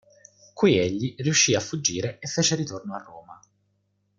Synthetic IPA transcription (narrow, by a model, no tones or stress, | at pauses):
kuieʎːirijuʃːiafːud͡ʒːiːɾeefːeːt͡ʃeɾit̪ornoarːoːma